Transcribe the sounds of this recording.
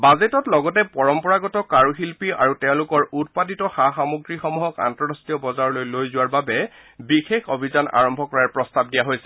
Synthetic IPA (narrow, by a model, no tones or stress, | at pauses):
bazetɔtlɔɡɔtɛpɔɹɔmpɔɹaɡɔtɔkaɹuxilpia̰ɹutɛʊ̃lʊkɔɹut̚paditɔxaxamuɡɹixɔmuɦɔka̰ntɔɹastiɔbɔzaɹɔlojlojzʊwaɹbabɛ | bixexʰobʱizanʔa̰ɹɔmbʱɔkɔɹaɹpɹɔstab̚dijaɦojsɛ